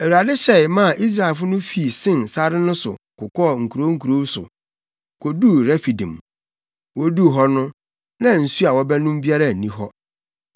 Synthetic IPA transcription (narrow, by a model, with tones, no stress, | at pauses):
æ˨wu˨ɾa˨dɪ˦ɕɛ˨ɪ˨mã˦˨ʔi˦s̬ɾa˨e˨lfʊ˦nʊ̃˦fi˨sɪ̃˦nsa˦ɾɪ˦nʊ̃˦sʊ̰˨kʊ˨kʰɔ˦˨ŋ̩˨kʰu˨ɾo˦ŋ̩˦kʰu˨ɾo˦sʊ̰˨ | kʰo˨du˦ɾɛ˦fi˨dĩ˨m | wɔ˦du˦ɦɔ˦nʊ̃˦ | nã˦n̩˨su˦a˨wɔ˦bɛ˦nʊ̃˦m˦bi˦a˦ɾa˦˨nĩ˦ɦɔ˦